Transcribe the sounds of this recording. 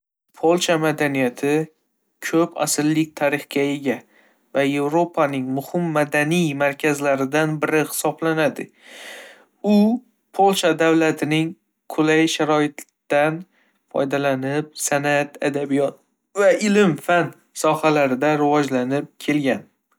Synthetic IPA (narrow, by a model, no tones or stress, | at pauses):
pʰolˠʃamad̪anijat̪ʰɪ | kʲʰɵpʰa̰sɪlːɪkʲt̪ʰaɾɪχɡʲae̞ɡʲa | vaje̞vɾo̞pʰanɪŋmʊhɪmːad̪anijmaɾkʲʰazlaɾɪd̪anbɪɾɪhɪ̥sɒblanad̪ɪ̰ | ʊ | pʰolˠt͡ʃad̪awlat̪ʰɪnɪŋ | kʰʊlajʃaɾɒɪt̪ː | d̪an | fɒ̰jd̪alanɪp̚sanat̪ʰad̪abijɒt̪̚ | vaʔɪlɪmfan | sɒhalaɾɪd̪aɾɪvɒd͡ʒlanɪp̚kʲʰe̞lɡʲan